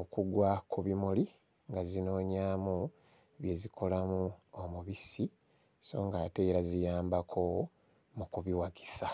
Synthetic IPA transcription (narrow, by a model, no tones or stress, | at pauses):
okuɡwakʰuβimuli | ŋɡazino̞ːɲaːmu | βje̞zikʰo̞lamuomuβisi | so̞̰ːŋɡaːte̞ɾazijaːmbakʰo̞ | mukuβiwaki̥sa